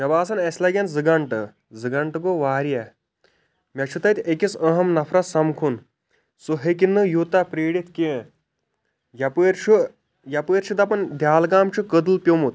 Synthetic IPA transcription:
mʲɐbaːsɐnɐsʲlɐɡʲɐnzɨɡɐɳʈɨ | zɨɡɐɳʈɡoʋaːɾjɐ | mʲɐt͡ʃʰut̪ɐt̪ʲekisɐɦɐmnɐfʰɾɐt̪sɐmkʰun | soɦek̬inːɨjut̪apɾeːɽit̪kʲe | jɐpəɾt͡ʃʰu | jɐpəɾt͡ʃʰit̪ɐpɐnd̪ʱjaːlɡaːmt͡ʃʰukəd̪ɨlpʲjomut̪̚

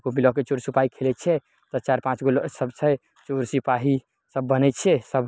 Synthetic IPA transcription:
ɡomilɔket͡ʃoɾsipaɦikʰelɛt͡ʃʰɛ | t̪ɔt͡ʃaɾpãt͡ʃɡolsəbt͡ʃʰɛ | t͡ʃoɾsipaɦi | səbːənɛt͡ʃʰɛsəb

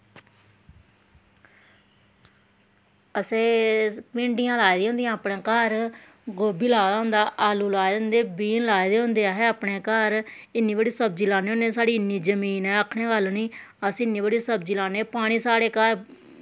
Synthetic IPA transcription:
əseːpɪ̃ɳɖɪjãːlaːd̪ĩːɦʊ̃nd̪ijãːəpɳẽːkəɾ | ɡoːbiːlaːd̪aːɦʊ̃ːnd̪aːʔaːluːlaːjd̪ənd̪eːbiːnlaːid̪eːɦʊ̃nd̪eːaːɦeːəːpɳeːkəɾɪnːiːbəɽiːsəb̚d͡ʒiːlaːneːoːneːsaːɽiːɪnːiːd͡ʒəmiːnɛ̃ːəkʰɳeːʋaːlniːəsɪnːiːbəɽiːsəbd͡ʒiːlaːneːpaːɽ̃iːsaːɽeːkəɾ

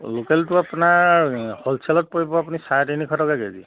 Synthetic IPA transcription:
lokeltuapnahɔlsʰelɔt̚pɔibɔap̬unisajtinikʰɔtɔkaɡezḭ

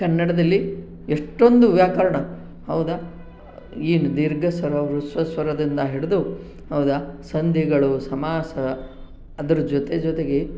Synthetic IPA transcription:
kɐnːɐɽɐd̪ɐlːi | eʂʈo̞nd̪uʋjaːkɐɾɐɳɐ | hɐwd̪ɐ | iːnud̪iɾɡʱɐsʋɐɾɐʋɾusʋɐsʋɐɾɐd̪ind̪ɐɦiɽed̪u | ɦɐʋd̪ɐsɐnd̪ʱjɐɡɐɭusɐmaːsɐ | ɐd̪ɐɾɐd͡ʒɔt̪e̞d͡ʒɔt̪e̞ɡe

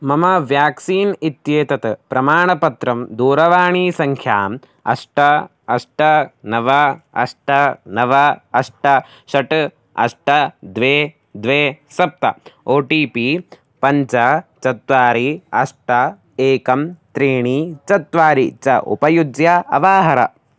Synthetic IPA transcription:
mɐmɐʋjaːksiːnit̪jeːt̪ɐt̪ɐpɾɐmaːɳɐpɐt̪ɾɐmd̪uːɾɐʋaːɳiːsɐŋkʰjaːm | ɐ̰ʂʈɐ | ɐʂʈɐnɐʋɐɐ̰ʂʈɐnɐʋɐɐʂʈɐ | ʃɐʈ | ɐ̰ʂʈɐd̪ʋeː | d̪ʋeːsɐp̚t̪ɐ̰oːʈiːpi | pɐɲt͡ʃɐt͡ʃɐt̪ʋaːɾiɐʂʈɐ | eːkɐmt̪ɾiːɳiːt͡ʃɐt̪ʋaːɾit͡ʃɐʔṵpɐjud̪jɐɐ̰ʋaːɦɐɾɐ

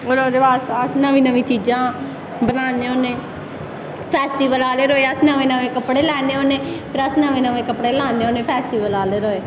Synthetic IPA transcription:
oːloːd̪eːbaːsəsnəʋĩːnəʋĩːt͡ʃiːd͡ʒãː | bənaːneːoːnẽː | pʰɛːsʈiːʋəlaːleːɾoːeːəsnəʋẽːnəʋẽːkəpɽeːlɛːneːoːneːpʰɪɾəsnəʋẽːnəʋẽːkəpɽeːlaːneːoːnẽːpʰɛːsʈiːʋəlaːleːɾoːeː

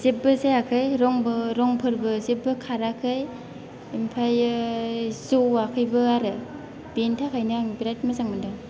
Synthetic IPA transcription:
zep̚bɯsajakʰɯjɾɔŋbɯɾɔŋpʰɯɾbɯzep̚bɯkʰaɾakʰɯj | impʰaj | zowakʰɯjbɯaɾɯ | bentʰakʰajnɯŋbiɾajt̚masaŋmɯndɯŋ

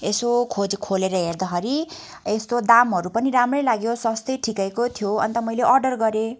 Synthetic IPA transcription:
esokʰod͡zkʰoleɾʌɦerd̪ʌɦʌɾi | est̪od̪amɦʌɾupʌniɾamrʌjlaɡjosʌst̪ʌjʈʰikajkot̪ʰjoʌ̰nt̪ʌmʌjleʔʌrɖʌrɡʌɾe

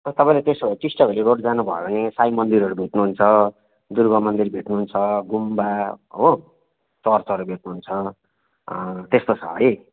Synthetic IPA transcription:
ʌt̪ʌpãĩlet̪esʌʈisʈʌbʱeleɡoʈd͡zanubʱʌebʌnesajmʌnd̪iɾʌɾubʱeʈnuɦunt͡sʰʌ | d̪urɡʌmʌnd̪irbʱeʈnuɦunt͡sʰʌɡumbaɦo | t͡sʌrt͡sʌɾubʱeʈnuɦunt͡sʰʌ | t̪est̪ot͡sʰʌ̰ɦʌj

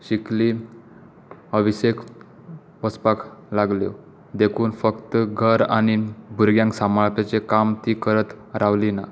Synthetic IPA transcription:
ɕikli | əʋisek | ʋəspaklaɡljo̰ | d̪ekʰuːnfəkt̪ɡʱəɾa̰ñibʱuɾɡjãŋksamaɭpet͡sekamt̪iːkəɾət̪ | ɾaʋlina

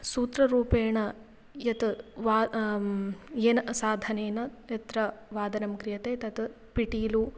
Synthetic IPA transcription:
suːt̪ɾɐɾuːpeːɳɐ | jɐt̪ʋaː | jeːnɐsaːd̪ʱɐneːnɐjɐt̪ɾɐʋaːd̪ɐɾɐmkɾijɐt̪eːt̪ɐt̪ | piʈiːlu

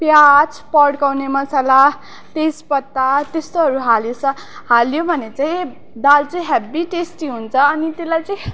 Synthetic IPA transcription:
pjat͡sʰpʌɽkawnemʌsala | t̪espʌt̪ːat̪est̪oɦʌɾuɦaljosʰʌ | haljobʱʌnet͡sãj̃ | d̪alt͡sʌ̃j̃ɦabiʈesʈiɦunt͡sʰʌːnit̪elajt͡sʌj̃

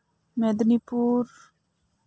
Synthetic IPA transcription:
med̪nipuːɾ

